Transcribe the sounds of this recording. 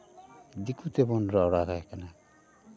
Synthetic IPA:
d̪ikut̪ebɔnɾɔɔɽaɡajkana

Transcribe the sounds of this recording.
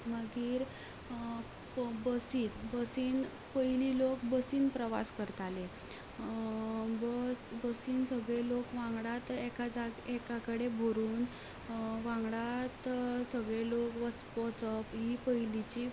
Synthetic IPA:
məɡiːɾ | bəsiːt̪bəsiːn | pəjlilokbəsiːnpɾəʋa̰skəɾt̪ale | bəsbəsiːnsəɡɭelokʋãŋɡɽat̪ekad͡zaɡekakəɽebʱoɾuːn | ʋãŋɡɽat̪səɡɭelokʋə | pɔt͡səpɦipəjlit͡ɕi

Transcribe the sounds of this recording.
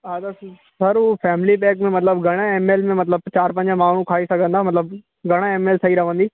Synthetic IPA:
ɦat̪ɐ | sɐɾufʰɛːmlibɛ̃ːkmẽmɐt̪̬ləbɡʱɐɽ̃ãeːmeːlmẽmɐt̪ləb̚t͡ɕaːɾpɐ̃ɲd͡ʑə̃maːɳ̤ũkʰaːisɐɡʱə̃nd̪aːmɐt̪ləb | ɡʱɐɽ̃aeːmeːlsɐɦiɾɐʋə̃nd̪iː

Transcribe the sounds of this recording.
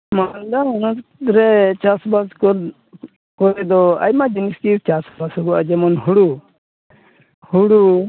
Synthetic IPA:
mand̪aɔnɔt̪ɾɛt͡ʃasbaskɔ | kɔɾɛd̪ɔa̰jmad͡ʒiniskiɾt͡ʃasbashɔɡɔad͡ʒɛmɔnɦuɽu | huɽu

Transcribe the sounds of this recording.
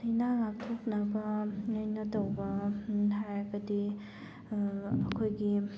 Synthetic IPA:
ejnaŋak̚tʰok̚nɐbɐŋajnɐtɐwbɐɦajɡɐdi | ɐkʰojɡi

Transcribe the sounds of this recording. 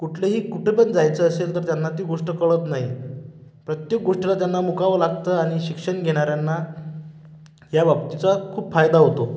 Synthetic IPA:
kuʈʰleɦiːkuʈʰepəɳd͡zajt͡səːselt̪əɾt̪janːat̪iːɡoʂʈəkəɭət̪naɦi | pɾət̪jek̚ɡoʂʈəlat̪janːamukaʋəlaɡt̪əaɽ̃iɕikʂəɳɡʱeɽ̃aɾjanːa | ɦjaʋap̚t̪it͡sakʰuːpfajd̪aɦot̪o

